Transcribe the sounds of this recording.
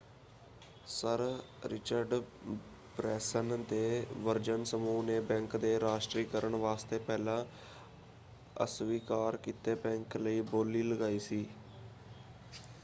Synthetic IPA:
səɾɾɪt͡ʃəɾɖ | pɾɛːsənd̪eːʋəɾd͡ʒənsəmuːneːbɛ̃ːŋkd̪eːɾaːʃʈɾiːkəɾəɳʋaːst̪eːpɛːlãː | ə̰sʋiːkaːɾkiːt̪eːbɛ̃ːŋkləiːboːliːləɡaːiːsiː

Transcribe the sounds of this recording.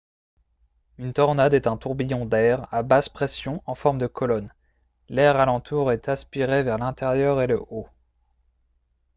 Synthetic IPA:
ynt̪ɔʁnad̪ɛt̪ɛ̃t̪uʁbijɔ̃d̪ɛʁabaspχesjɔ̃ʔɑ̃fɔʁmd̪əkʰɔlɔn | lɛʁalɑ̃t̪ʰuʁɛt̪aspiʁevɛʁlɛ̃t̪eʁjœʁeləʔo

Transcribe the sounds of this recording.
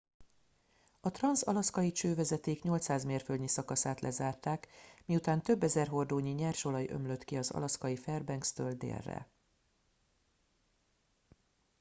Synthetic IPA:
ɒt̪rɒnsɒ̰lɒskɒjit͡ʃøːvɛzɛt̪eːkɲo̞lt̪saːzmeːrfølɲisɒkɒsaːt̪lʔɛzaːrt̪aːkmiut̪aːnt̪ø̞bːɛzɛrɦo̞rd̪oːɲiɲɛrʃo̞lɒjø̰mlø̞t̪kiɒzɒ̰lɒskɒjifɛrbɛŋkst̪øːld̪ḛːrːɛ̰

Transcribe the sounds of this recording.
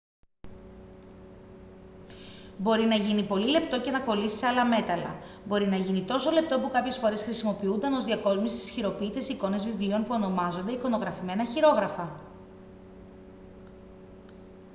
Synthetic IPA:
bo̞ɾinɐʝinipo̞lile̞pt̪oce̞nɐko̞lisi̥seɐlɐme̞t̪ɐlɐ̰ | bo̞ɾinɐʝinit̪o̞so̞le̞p̚t̪o̞pukɐpçe̞sfo̞ɾe̞sxɾisimo̞piund̪ɐno̞zðiɐko̞zmust̪i̥sçiɾo̞piːt̪e̞siko̞ne̞zvivlio̞npuo̞no̞mɐzo̞nd̪e̞iko̞no̞ɣɾɐfime̞nɐçiɾo̞ɣɾɐfɐ

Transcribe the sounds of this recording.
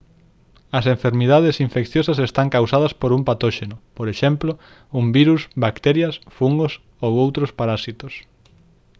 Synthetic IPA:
ɐseɱfeɾmiðaðesiɱfekθjosɐsest̪aŋkawsað̞ɐspoɾumpat̪oʃenʊpoɾeʃemplo | umbiɾusbakt̪eɾjɐsfuŋɡos | owowt̪ɾospaɾasit̪os

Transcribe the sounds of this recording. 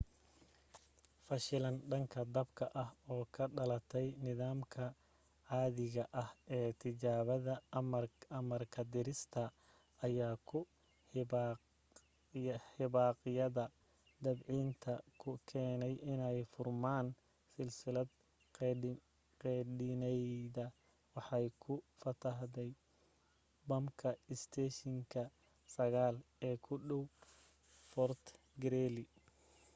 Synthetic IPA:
fɐʃɪlɐnɖɐŋkʰɐd̪ɐbkʰɐʔɐɦɔːkʰɐɖɐlɐt̪ʰɛjnɪðaːmkʰɐ | ʕaːðɪɣɐʔɐhɛːt̪ʰɪt͡ʃaːβɐðɐmɐrɐmɐrkʰɐd̪ɪɾɪst̪ʰɐː | jaːkʰʊ | ħɪβaːqjɐðɐ | d̪ɐbʕiːnt̪ʰɐkʰʊkʰɛːnɛjɪnɛjfʊrmaːn | sɪlsɪlɐd̪ | qɛɗɪnɛjðɐ | wɑħɑjkʰʊfɐt̪ʰɐɦd̪ɛj | bɐmkʰɐɪst̪ʰɛːʃɪŋkʰɐ | sɐɣaːlɛːkʰʊɖɔw | fɔrt̪ʰ | ɡɛɾɛːlɪ

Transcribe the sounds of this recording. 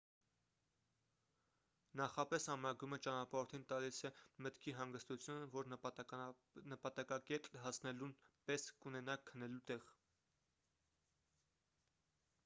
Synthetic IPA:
nɑχɑpɛsɑmɾɑɡumət͡ʃɑnɑpɑɔɾt̪ʰint̪ɑlisɛmət̪kʰiɦɑŋɡəst̪ut͡sʰjunəvɔɾ | nəpɑt̪ɑkɑkɛt̪lɦɑsʰnɛlunpɛskunɛnɑkʰːənɛlut̪ɛʁ

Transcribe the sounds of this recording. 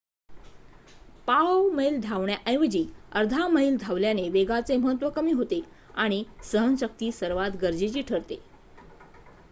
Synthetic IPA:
paʋməild̪ʱaʋɳjaʔə̃j̃ʋəd͡ʑiːəɾd̪ʱaməɦild̪ʱaʋljaneʋeɡat͡seməɦət̪ʋəkəmiːɦot̪e | aɽ̃isəɦənɕək̚t̪iːsəɾʋat̪ɡəɾd͡ʑet͡ɕiːʈʰəɾt̪e

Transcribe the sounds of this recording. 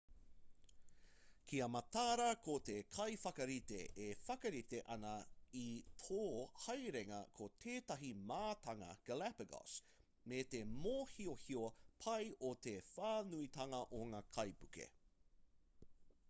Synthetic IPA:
kʰiɐmɐt̪aːɾɐkot̪ekʰɐjfɐkɐɾiteʔefɐkɐɾiteʔɐnɐitʰoːhɐjɾeŋɐ̰kʰot̪ʰeːtɐɦimaːt̪ɐŋɐ̰ɡ̥ɐlapɐɡo̰s | metemoːhiohiopʰɐjot̪efaːnuit̪ɐŋɐʔoŋaːkʰɐjpukḛ

